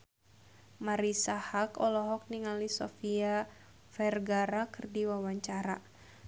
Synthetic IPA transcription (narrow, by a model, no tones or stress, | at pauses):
maɾisahakɔlɔɦɔk̚niŋalisɔ̰fia | fɛrɡaɾakɨrdiwawaɲt͡ʃaɾa